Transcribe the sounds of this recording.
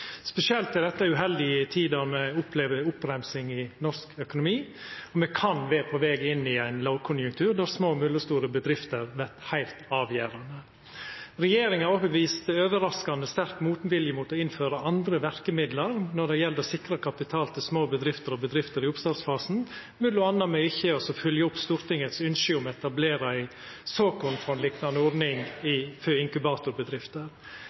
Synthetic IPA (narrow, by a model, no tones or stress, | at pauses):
spɛsɪɛlt̪æd̪ɛt̪ːəʉɦɛld̪ɪt̪ʰiːd̪ɑɾmɛʊpʰleːʋəʊpɾæmsɪŋɪnɔʂkœkʊnʊmiːɔmɛkʰɑnʋeːpʰɔʋɛːɡɪnːɪæɪnloʊkʰʊnjʉŋk̚t̪ʰʉːɾd̪æɾsmoːmʉləst̪uːɾəbəd̪ɾɪft̪əɾʋæɾʈhæɪlt̪ɑːʋjæːɾɑnə | ɾɛjeːɾɪŋɑɾɔpəʋiːst̪øːʋəɾɑskɑnəst̪æɾkmuːt̪nʋɪljəmuːt̪ɔɪnføːɾəɑnd̪ɾəʋæɾkəmɪd̪ləɾnɔɖɛjɛld̪ɔsɪkɾɑkʰɑpɪt̪ʰɑːlt̪ʰɪlsmoːbəd̪ɾɪft̪əɾɔbəd̪ɾɪft̪əɾɪʊpst̪ɑːd̪sfɑːsn̩ | mʉlʊɑnːɑmœʏçəɔsɔfœljəʊpːst̪uːɾt̪ɪŋət̪sʉnʃʏʊmɛt̪ɑbleːɾɑɪ | søːkɔfɔɛnlɪknɑnəɔɾnɪŋɪføɪŋkʉbɑːt̪ʊɾbəd̪ɾɪft̪əɾ